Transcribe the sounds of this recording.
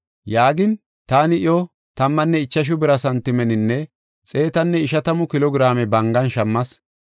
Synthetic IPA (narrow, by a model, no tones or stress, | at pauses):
jaːɡɪn | t̪aːnɪʔɪjɔ | t̪ɐmːɐnːɛɪt͡ʃːɐʃ̬ʊbɪɾɐsɐnt̪ɪmɛnɪnːɛ | t͡sʼe̞ːt̪ɐnːɛɪʃɐt̪ɐmʊkɪlɔɡɾaːmɛbɐŋɡɐnʃɐmːɐs